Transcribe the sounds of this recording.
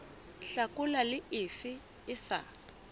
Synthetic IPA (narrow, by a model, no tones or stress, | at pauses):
ɬakʊlalɪʔɪfɪ | ɪsa̰